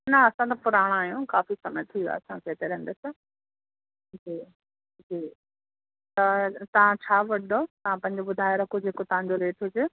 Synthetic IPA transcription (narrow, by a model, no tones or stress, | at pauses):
nɐɐsãt̪̬ɐpʊɾaːɽ̃aːɦijũkaːfisɐməjt̪ʰĩa̰ːɐsãkʰeːt̪eɾɛ̃ɦːn̆d̪esɪ | d͡ʑiː | d͡ʑiː | t̪ɐt̪ɐʋ̤ãt͡ɕʰaːʋɐot̪ɐʋ̤ãpɐ̃ɪɲ̆d͡ʑoɓʊd̪ʱaːjeɾɐkʰod͡ʑeːkot̪ɐʋ̤ãɲd͡ʑoleːʈʰɦʊd͡ʑe